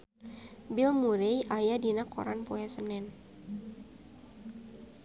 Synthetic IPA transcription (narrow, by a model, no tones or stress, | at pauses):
bilmuɾejʔajadinakɔ̰ɾanpojɛsənɛn